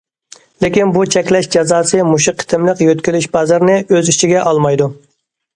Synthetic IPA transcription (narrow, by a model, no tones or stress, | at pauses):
lɪkʲinbut͡ʃʰɛkʲlɛʃd͡ʒɑzɑːsɨmuʃiqʰːɪ̥t̪ʰɪmlɪqjøt̪kʲylyʃbɑzɑɾnɪʔøzit͡ʃʰiɡʲɛʔɑlˠmɑjd̪u